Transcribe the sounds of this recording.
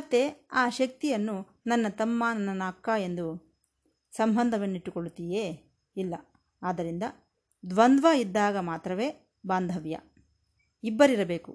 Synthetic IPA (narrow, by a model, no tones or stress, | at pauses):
t̪ːeaːʃɐk̚t̪ijɐnːu | nɐnːɐt̪ɐmːaːnɐnɐnaːkːae̞nd̪u | sɐmbʱɐnd̪ʱɐʋɐnːiʈːukoɭut̪ijeː | ilːɐ | aːd̪ɐɾind̪ɐ | d̪ʋɐnd̪ʋaːid̪ːaːɡɐmaːt̪ɾɐʋe̞ː | baːnd̪ʱɐʋjɐ̰ | ibːɐɾiɾɐbe̞ːkṵ